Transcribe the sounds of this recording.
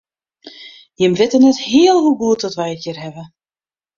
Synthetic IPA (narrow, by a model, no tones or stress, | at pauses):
jɪmrɪtənɛthɪəlˠɦuɡuətɔtʋɛjəkjirɦɛvə